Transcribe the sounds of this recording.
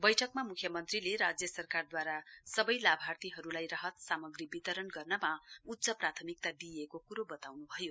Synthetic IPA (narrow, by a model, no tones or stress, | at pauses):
bʌjʈʰʌkmamukʰjʌmʌnt̪rileɾad͡zjʌsʌrkard̪waɾasʌbʌjlabʱart̪iɦʌɾulajrʌɦʌt̪samʌɡribit̪ʌɾʌnɡʌrnʌmaut̪ːsʌprat̪ʰʌmik̚t̪ad̪iekokuɾobʌt̪awnubʱʌjo